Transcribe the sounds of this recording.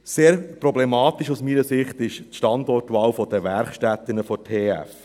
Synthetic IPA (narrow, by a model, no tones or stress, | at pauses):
seːɾpɾɔblɛmɑːt̪ɪʃusmiːnəsɪχt̪ɪʃtʃtɑnd̪ɔtʋɑːwfɔd̥əʋæɾχʃtæt̪ːɪnəfɔtʰeːæ̰f